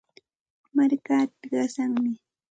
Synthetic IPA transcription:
maɾkaːt̪ɢɑsaŋmɪ

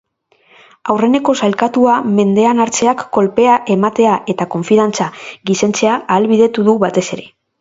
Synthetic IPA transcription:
awre̞ne̞ko̞salkat̪uame̞nd̪e̞anaɾt͡se̞akːo̞lpe̞aʔe̞mat̪e̞aʔe̞t̪ako̞ɱfiðant͡saɣise̞nt͡se̞aʔːlβiðe̞t̪uðuβat̪e̞se̞ɾe̞

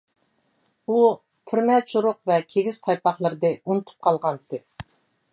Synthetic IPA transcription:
u | pʰyɾmɛt͡ʃuɾʊqvɛkʲʰeɡʲiz̥pʰɑjpɑχlˠəɾɨd̪ɨunɨt̪ʰu̥p̚qʰɑlˠʁɑnt̪ɨ

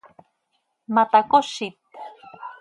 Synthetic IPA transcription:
mat̪akoʃit̪̚

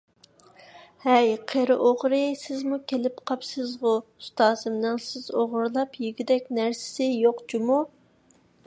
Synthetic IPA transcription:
hɛjqʰeɾɨʔoʁɾɨsɪzmukʲʰelɪpqʰɑpsɨzʁʊust̪ɑːzɨmnɨŋsɪzoʁʊɾlˠɑpjiɡʲid̪ɛkʲnæɾsɪ̥sɪjoqd͡ʒumu

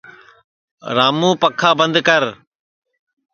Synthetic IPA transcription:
ɾaːmũːpəkʰːaːbə̃nd̪kəɾ

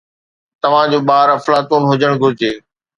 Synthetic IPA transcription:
t̪ɐʋ̤ãd͡ʑuːɓaːɾɐflaːt̪uːnɦʊd͡ʑəɽ̃ɡʱʊɾɪd͡ʑeː

